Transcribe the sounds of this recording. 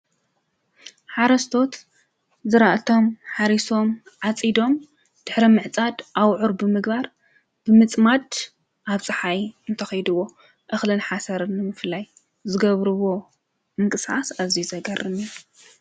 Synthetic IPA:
ħaɾɐst̪ʰo̞t̪ | zɨɾaʔt̪ʰo̞mħaɾiso̞mʕat͡sʼid̪o̞m | d̪̥ɨħɾimɨʕt͡sʼad̪ʔawʕuɾbɨmɨɡbaɾ | b̥ɨmɨt͡sʼmad̪ | ʔaβt͡sʼɨħajɨnt̪ʰɐxɐjd̪ɨwːo̞ | ʔɨxlɨnħasɐɾɨnːɨmɨflaj | zɨɡɐβɾɨβo̞ | mɨŋkʼɨsħasazizɐɡɐrɨmu

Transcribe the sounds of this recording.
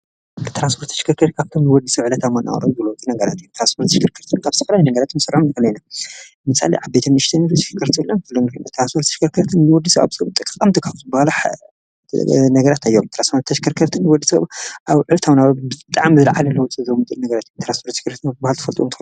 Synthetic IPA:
t̪ʰɾanspʰoɾt̪ʰːɐ̥ʃkʰɐɾkʰɐɾt̪kʰaβt̪ʰomnɨwɔd̪ːisɐβʕɨlɐt̪ʰamana̰w̰ɾo̰mzɨlowt͡sʼinɐɡɐɾa̰t̪ɨjt̪ʰɾanspʰoɾt̪ʰːɐʃkʰɐɾkʰɐɾt̪ʰɨnkʰaβt̪ʰɐfɐlajnɐɡɐɾat̪ʰmsɨɾʔomnkɐlɐjna | ɨmɨsa̰lḛʕaβbet̪ʰɐmɨʃt̪ʰɐnʃʃkʰɐɾt̪ʰilːank̪ʰɨlːonɨkɨno̰t̪ʰɾanspʰoɾt̪ʰʃkʰɐɾkʰɐɾt̪ʰɨnnɨwɔd̪isɐβa̰βsɐt̪ʼɨkʼkʼːamt̪ʰɨkʰauzɨbahalaħ | nɐɡɐɾat̪ajːomt̪ɾanspʰoɾt̪ʰːɐʃkʰɐɾkʰɐɾt̪ʰɨnːwɔd̪ːisɐ̰βʔaβʕɨlɐt̪ʰawnabɨɨt̪ʼa̰ʕmzɨlʕalɐlɐwɔt͡sʼizɐmɨt̪ʼɨnɐɡɐɾat̪jomt̪ɾanspʰoɾt̪ʰːʃkɐɾt̪ʰnabahalt̪ɨ̥fɐlt̪ʼuomt̪ʰː

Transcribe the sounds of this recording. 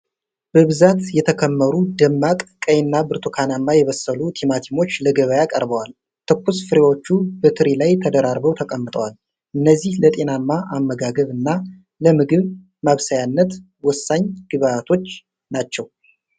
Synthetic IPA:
b̥əβɨzat̪jɛt̪ʰəkʰəmːəɾud̪əmːat̪ʼkʼəjɪnːabɨɾt̪ʰukʰanamːajɛβəsːəlut̪ʰimat̪ʰimo̞t͡ʃːləɡəβəjakʼə̰ɾbəwal | t̪ʰɨkʷːusfɨɾewo̞t͡ʃːubət̪ʰɨɾilajt̪ʰəd̪əɾaɾbəwt̪ʰəkʼəmːɨt̪ʼəwal | ʔɨnːəzːihlət̪ʼe̞namːaʔamːəɡaɡəβɨnːa | ləmɨɡɨβ | maβsajanːət̪ | wɔsːaɲɡ̥ɨβaat̪ʰo̞t͡ʃː | nat͡ʃːɛw

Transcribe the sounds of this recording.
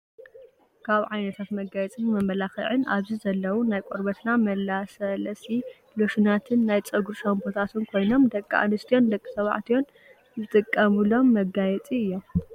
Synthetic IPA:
kʰaβʕajnɐt̪ʰat̪mɐɡajɛt͡sʼɨnmɐmːɐlaxɨ̰ʕɨnaβzizɐlːɐwunajkʷʼoɾbɐt̪namɐlːasɐlɐsi | loʃunat̪ʰɨnːajt͡sʼɐɡuɾʃɐmbʰot̪ʰat̪ʰɨnkʰo̞jno̞md̪ɐkʼːa̰ʔanɨst̪ʰijo̞nd̪ɐkʼːisɐβa̰ʕt̪ʰijo̞n | zɨt̪ʼɨkʼːɐmɨlo̞mːɐɡajɛt͡sʼiɨjːo̞m

